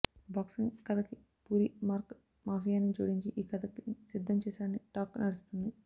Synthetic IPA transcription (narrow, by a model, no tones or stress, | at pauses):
baːksiŋkɐd̪ɐki | puːɾimaːɾk | maːfijaːnːid͡ʒṵːɽiɲt͡ʃiʔiːkɐd̪ɐkisid̪ʱːɐmt͡ʃɛːsaːɽɐniʈaːknɐɽust̪und̪i